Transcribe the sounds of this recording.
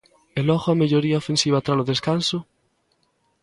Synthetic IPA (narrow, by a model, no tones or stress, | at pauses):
elɔɣoameʎoɾiaofẽnsiβ̞at̪ɾaloðeskanso